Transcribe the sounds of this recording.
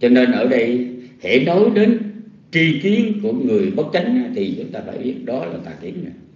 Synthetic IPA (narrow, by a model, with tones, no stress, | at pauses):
t͡ɕɔ˧ne˧nʔəː˧˩ɗə˧jhḛ˧˩no˨˦jɗe˨˦n | t͡ɕi˧ki˨˦ənku˧˩əŋɨ˨˩əjɓə˦˥t̚t͡ɕa˨˦jŋ̟na˧˩t̪ʰi˨˩t͡ɕʊ˨˦ŋ͡mt̪aː˧fa̰ː˧˩jɓi˦˥ət̚ɗɔ˨˦laː˨˩t̪aː˧˨˩kḭ˧˩ənna˧˨˩